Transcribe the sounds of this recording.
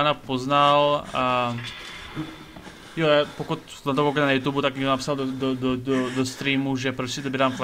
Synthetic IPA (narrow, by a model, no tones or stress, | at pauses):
anapoznal | jɔapɔkut̪ | ɛnt̪ɔpɔkɔnajuːt̪uːbut̪aɡ̚ɲɛŋɡd̪onapsald̪d̪ɔd̪ɔd̪ɔd̪ɔst̪ɾiːmuʒɛpɾɔscɛt̪obɛɾaːmkl